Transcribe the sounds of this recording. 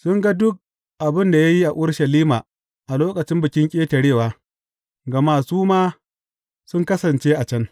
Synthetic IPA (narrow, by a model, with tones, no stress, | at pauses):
sʊ˦ŋɡa˦dʊ˦k̚ | ʔa˨bɪ˦nda˨ja˦ji˦ʔa˨ʔʊ˦ɽʃɐ˨liː˦maː˨ | ʔa˨loː˦kʼɐ˨t͡ʃɪ˦mbɪ˨kʲɪ˦ŋkʲʼeː˦tɐ˨ɽeː˦˨waː˦ | ɡɐ˨maː˦suː˦maː˦ | sʊ˦ŋkɐ˦sɐ˨nt͡ʃeː˦ʔa˨t͡ʃɐ˦n